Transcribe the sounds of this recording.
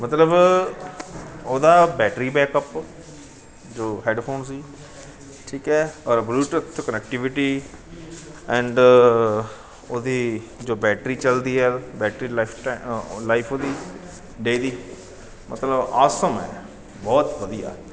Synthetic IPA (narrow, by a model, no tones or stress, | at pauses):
mət̪ləb | oːd̪aːbɛːʈɾiːbɛːkəp | d͡ʒoːɦeːɖpʰoːnsiː | ʈʰiːkɛːɔːɾəbluːʈət̪ʰkənɛk̚ʈɪʋɪʈiː | ɛ̃ːɳɖ | oːd̪iː | d͡ʒoːbɛːʈɾiːt͡ʃəld̪iːɦɛːbɛːʈɾiːpʰʈlaːɪpʰoːd̪iː | ɖeːd̪iː | mət̪ləbaːsəmɛ̰ː | bɔːt̪ʋəd̪ija̰ː